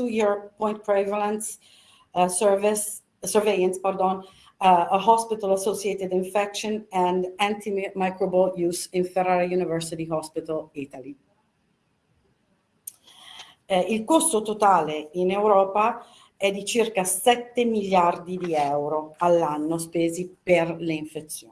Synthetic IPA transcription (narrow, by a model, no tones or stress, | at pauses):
t̪ujiɹpɔjnt̪̚pɾɛvalãns | vs | sɛɹvɛjãnspard̪ɔn | ɦɔspit̪alasot͡ʃɛt̪id̪iɱfɛkʃonɛ̃nd̪ãnt̪imajkɾobɔljusinfɛrːaɾajunivɛɹsit̪ihɔspit̪alit̪ali | ilkost̪ot̪ot̪aːleinewɾɔːpa | ɛd̪it͡ʃirkasɛt̪ːemiljard̪id̪iɛwɾoalːanːospeːziperleiɱfet̪sːjoː